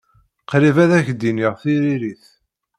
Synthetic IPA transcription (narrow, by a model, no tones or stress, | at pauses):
qɾivæðæçd̪iniʁθiɾiɾiθ